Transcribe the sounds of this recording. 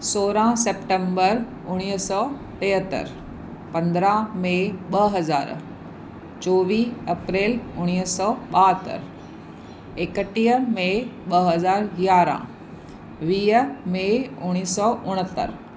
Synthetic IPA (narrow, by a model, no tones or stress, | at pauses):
soːɾãsepʈẽmbəɾ | ʊɽ̃iːɦsɔː | t̪eːɦət̪ə̰ɾ | pɐ̃nd̪ɾameɓɐɦɐzaːɾ | t͡ɕoːʋiːɐpɾeːlʊɽ̃iːsɔːɓaːɦət̪ə̰ɾ | ekəʈiəmeɓɐɦɐzaːɾjaːɾã̰ | ʋiːəmeʊɽ̃iːsɔːʊɽ̃ət̪ə̰ɾ